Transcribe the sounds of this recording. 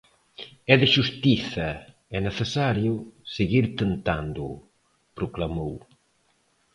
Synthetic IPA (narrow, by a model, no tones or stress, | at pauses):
ɛðeʃust̪iθɐ | ɛneθesaɾjʊseɣiɾt̪ent̪and̪ʊ | pɾoklamow